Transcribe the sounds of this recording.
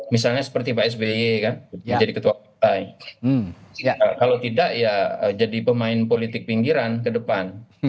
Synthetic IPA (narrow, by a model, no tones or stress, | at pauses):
misalɲasə̥pərt̪ibaɛs̬beekanəd͡ʒadikət̪uwakit̪ai | akalowt̪idaʔjaəd͡ʒadipəmaɪnpolit̪ɪk̚piŋɡiɾankədəpan